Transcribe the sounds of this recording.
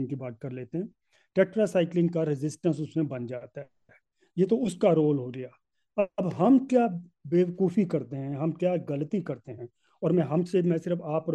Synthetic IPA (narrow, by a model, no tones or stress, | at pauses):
nkibaːt̪̚kɐɾleːt̪eɦɛ̃ː | ʈɛːk̚ʈɾasaːɪklɪ̃ŋɡkaɾɪzɪsʈə̃ns̬ʊsmẽbɐnd͡ʒaːt̪a | ɛː | jeːt̪oʊskaɾoːlɦoɡɐjaː | ɐbɦɐmkjaːbeːʋəkuːfikɐɾt̪eɦɛ̃ɦɐmkjaːɡɐlət̪ikɐɾt̪eɦɛ̃ | ɔːɾmɛ̃ɦɐmsemɛ̃ːsɪɾəfaːpəɾ